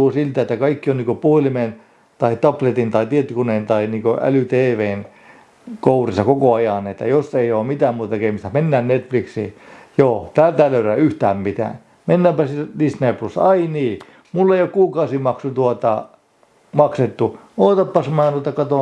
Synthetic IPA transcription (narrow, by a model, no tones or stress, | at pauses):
uːsilt̪æet̪ːækɑikːionniːkopuhelimen | t̪ɑit̪ɑplet̪int̪ɑit̪iet̪ːykunent̪ɑiniːkoæ̰lyt̪eːʋeːn | kourisɑkokoɑjɑˑnet̪ːæ̰josːeioːmmit̪æːmmuːt̪ɑkeimist̪æmenːæːnnet̪fliksiːjoːt̪æːlt̪æːløyræyht̪æːmmit̪æ̰ːn | menːæːˑmpæsidisneːplusːɑiniː | mulːeijokkuːkɑusimɑksut̪uot̪ɑ | mɑkset̪ːu | oːt̪ɑpːɑsmɑːnt̪uot̪ɑkɑt̪oˑ